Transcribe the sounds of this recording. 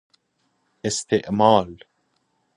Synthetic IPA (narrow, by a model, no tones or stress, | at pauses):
ʔɪst̪ɪʔmɑːl